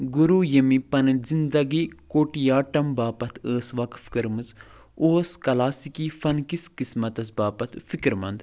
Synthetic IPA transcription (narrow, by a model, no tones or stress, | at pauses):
ɡuɾuːjɐmipɐnzind̪ɐɡikoːʈijaːʈɐmbaːpɐt̪ʰəːsʋɐk̪fʰi̥kɐɾmɨz | oːskɐlaːsikifɐnkiskismɐt̪ɐs̬baːpɐt̪ʰfikɾmɐ̰nd̪